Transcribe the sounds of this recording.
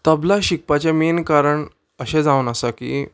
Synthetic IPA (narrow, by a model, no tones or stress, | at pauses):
t̪əblaɕik̚pat͡ɕẽmenkaɾəɳ | əɕẽd͡zaʋunəsakḭː